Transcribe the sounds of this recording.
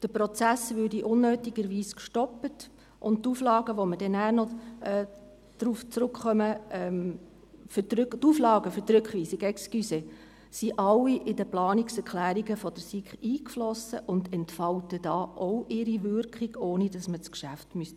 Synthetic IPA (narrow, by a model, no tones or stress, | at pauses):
d̥əpɾɔt͡sæsʋʏːɾdiʔʊnːøːtiɡ̥əɾʋiːskʃtɔpət | ʔʊnttuːflɑːɡəʋɔməd̥ɛnæːnɔɛː | d̥ɾuːft͡sɾʊkχœməɛm | ftɾktuːflɑːɡəfʏɾtɾʏkχʋiːsiɡɛkskyse | siʔɑlːiʔɪdəplɑːniksɛɾkʰlæːɾiɡəfɔd̥əɾsikχiːkflɔsəʔʊndɛntfɑltəd̥ɑːʔowʔɪɾiʋʏɾkχiɡ̥oːnidɑsmət͡skʃæftmyst